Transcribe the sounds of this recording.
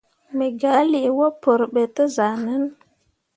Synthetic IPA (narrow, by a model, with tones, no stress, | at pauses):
me˨ɡa˨˦li˨wo˦po˨ɾɓe˨tə˦za˨nə˦n